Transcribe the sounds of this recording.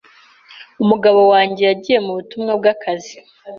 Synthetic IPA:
umuɡaβo̞waːɲɟe̞jaɟije̞muβutumŋabɡakʰazi

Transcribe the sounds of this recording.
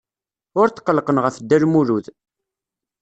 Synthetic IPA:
ʊɾt̪ːqːəlqənʁəfd̪ːælmuɾuð

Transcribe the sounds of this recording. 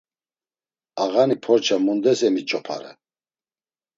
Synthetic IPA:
aɣanipʰɔɾt͡ʃʰamund̪ɛsɛmit͡ʃʼɔpʰa̰ɾɛ̰

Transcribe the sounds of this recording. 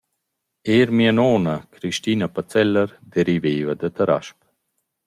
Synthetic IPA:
eːɾmianɔːnakɾiʃt̪inapat͡sɛlːəɾd̪ɛɾiveːvɐd̪ət̪əɾa̰ʃp

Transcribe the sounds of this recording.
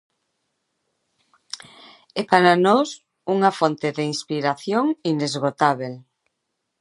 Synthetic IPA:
ɛpaɾanos | uŋafont̪eðeinspiɾaθjoŋinezɣot̪aβ̞el

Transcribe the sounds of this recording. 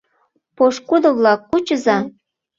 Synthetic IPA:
poʃkud̪ɤ̆βlɑkːut͡ɕəzɑ

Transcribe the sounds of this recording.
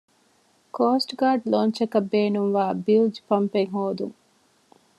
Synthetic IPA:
koːsʈɡaːɖloːnt͡ʃɐkɐbeːnuŋʋaːbild͡ʒpɐmpeŋɦoːd̪ṵŋ

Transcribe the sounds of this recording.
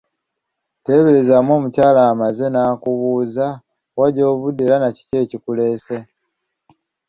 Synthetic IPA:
te̞ːβeɾezamo̞ːmucaːlaːmaze̞naːkuβuːza | waɟo̞ːβudelanaci̥ce̞ːcikule̞ːse̞

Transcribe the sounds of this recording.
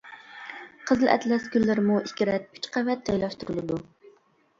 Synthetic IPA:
qʰəzlɨʔɛ̰t̪lɛskʲylːɪɾmuʔikʲɪɾɛt̪̚y̥t͡ʃqʰævɛt̪ʰːɛjlˠɑʃt̪uɾɨlˠɨd̪u

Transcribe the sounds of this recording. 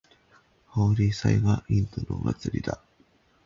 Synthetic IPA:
hoːɾʲisaiɡaʔĩnt̪onoma̰t͡sɨɾʲid̪a

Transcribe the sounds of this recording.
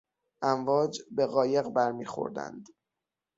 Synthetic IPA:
ʔæɱvɒːd͡ʒbe̞ɣɒːje̞ɣbæɾmiːxo̞̰ɾd̪æ̰nd̪

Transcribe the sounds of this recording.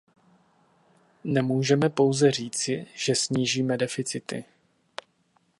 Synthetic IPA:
nɛmuːʒɛmɛpo̞wzɛr̝iːt͡sɪʒ̥ɛsɲiːʒiːmɛdɛfɪt͡sɪt̪ɪ̰

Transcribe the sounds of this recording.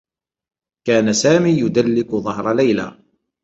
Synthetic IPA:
kaːnasaːmiːjʊd̪alːɪkʊðˤɑɦɾˤɑlæjla̰

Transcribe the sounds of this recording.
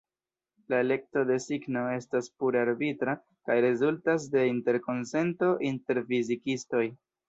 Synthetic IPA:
laele̞k̚to̞de̞siɡno̞e̞staspuɾaɾbitɾa | kajɾe̞zultas̬de̞inte̞ɾko̞nse̞nto̞ʔinte̞ɾfizikisto̞j

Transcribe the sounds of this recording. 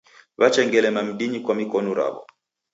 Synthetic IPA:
βat͡ʃɛŋɡɛlɛmam̩ɓiɲikwamikɔnɔɾa̰βɔ̰

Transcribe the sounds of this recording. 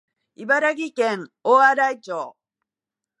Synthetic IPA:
ibaɾaɡʲikẽŋoːaɾait͡ɕoː

